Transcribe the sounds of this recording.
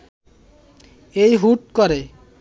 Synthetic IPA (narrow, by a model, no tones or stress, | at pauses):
ejɦuʈkoɾe